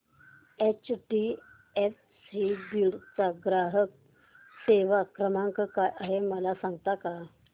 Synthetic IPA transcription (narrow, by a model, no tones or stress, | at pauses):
et͡ɕʈi | ef | sibiɽt͡saɡɾaɦək̚ | seʋakɾəmaŋkəkajʔaɦeməlasãŋɡt̪aka